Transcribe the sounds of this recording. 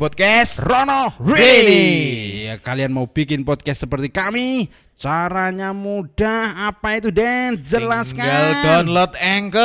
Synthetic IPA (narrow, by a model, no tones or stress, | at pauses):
pɔd̪̚kɛsrɔnɔreeni | kalianmaub̥ikɪnpɔd̪̚kɛst̪səpərt̪ikami | t͡ʃaɾaɲamud̥ahapait̪udɛnd͡ʒəlaskaaldɔnlɔt̪̚ɛŋkə